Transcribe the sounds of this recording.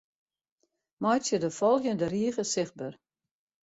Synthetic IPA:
mɔjsjədəfɔlˠxjəndəriəɣəsɪx̚bər

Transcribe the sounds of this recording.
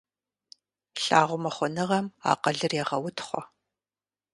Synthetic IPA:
ɬʼaːʁʷʊmɐχʷɔnɨʁɐma̰ːqɐɮɨrjɛʁɐwʊtʰχʷɔ̰

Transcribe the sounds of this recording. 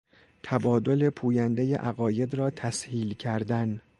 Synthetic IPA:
t̪ʰæbɒːd̪o̞le̞pʰuːjænd̪eje̞̰ʔæɣɒːje̞d̪ɾɒːt̪ʰæshiːlcʰæɾd̪æn

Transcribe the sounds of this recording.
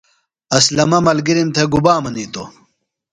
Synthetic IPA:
ɐslɐmɐmɐlɡiɾimt̪ʰeɡubaːmɐniːt̪o

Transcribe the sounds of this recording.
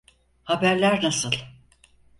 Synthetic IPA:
habæɾlʲæɾnasɯlˠ

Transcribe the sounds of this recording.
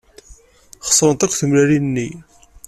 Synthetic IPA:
χə̥sˤɾˤənt̪ækʷːθəmlæɾinːi

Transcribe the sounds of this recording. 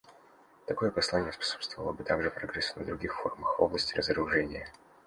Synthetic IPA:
t̪ɐko̞jəpɐslˠanʲɪjəspɐ̥sopst̪vəvəlˠəbɨt̪aɡʐɨpɾɐɡɾɛsnəd̪ɾʊɡʲixfo̞rməxvo̞vlˠəsʲtʲɪrəzəɾʊʐɛnʲɪjə

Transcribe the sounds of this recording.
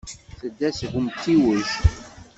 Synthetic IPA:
θəd̪ːæsɣəmt̪ːiwəʃ

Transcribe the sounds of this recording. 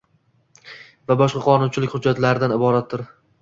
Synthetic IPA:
vabɒʃqɑqʰɒnʊnt͡ʃʰɪlɪkʲhʊd͡ʒːat̪laɾɪd̪anɪbɒɾat̪ːɪɾ

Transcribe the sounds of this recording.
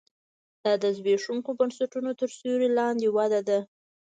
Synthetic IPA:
d̪̥ɑd̪əzbeʂuŋkobənsaʈunot̪əɾsoɾelɑnd̪ewad̪ad̪a

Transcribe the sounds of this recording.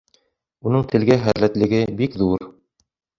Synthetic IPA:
unɤɴt̪ʰɘ̆lɡæχæðlæt̪lɘ̆ɡɘbikðuɾ

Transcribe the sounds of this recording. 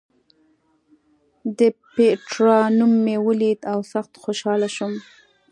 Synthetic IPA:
d̪əpeʈɾɑnumːewəlid̪awsaxt̪xoʃɑlaʃum

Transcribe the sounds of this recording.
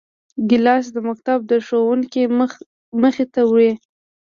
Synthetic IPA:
ɡɪlɑs̬d̪əmak̚t̪ab̚d̪əʂowuŋki | məxet̪awe

